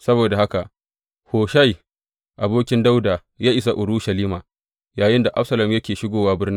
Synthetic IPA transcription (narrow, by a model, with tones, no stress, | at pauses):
sɐ˦boː˨da˨ha˦ka˨ʔ | hoː˨ʃa˦j | ʔa˨boː˦kʲɪ˦nda˦wdaː˨ | jaː˦ʔɪ˨s̬a˨ʔʊ˨ɾuː˦ʃɐ˨liː˦maː˨ | jaː˨jɪ˦nda˨ʔa̰˦ɸsɐ˨lɐ˨mjɐ˦kʲeː˨ʃɪ˦ɡʷoː˨waː˦bɪ˦rnɪ˦